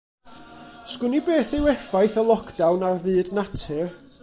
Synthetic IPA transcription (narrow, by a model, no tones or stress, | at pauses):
skʊnibeːθewɛfajθəlˠɔkʰd̥awnarvɨːdnatʰɪr